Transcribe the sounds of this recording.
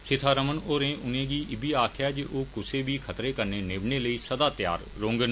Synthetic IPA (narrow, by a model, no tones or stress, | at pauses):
sɪt̪ʰaːɾəmənoːɾẽːʔʊnẽːɡiːʔɪbiːaːkʰɪjaːd͡ʒeʔoːkʊseːbiːkʰət̪ɾeːkəɾneːneːbɳeːləiːsəd̪aːt̪ja̰ːɾ | ɾõːŋɡən